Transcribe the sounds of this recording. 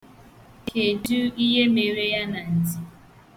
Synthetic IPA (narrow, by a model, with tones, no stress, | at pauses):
kʰe˨du˦i˦ɦe˦me˨ɾe˦ja˦na˨n̩˨d͡zi˨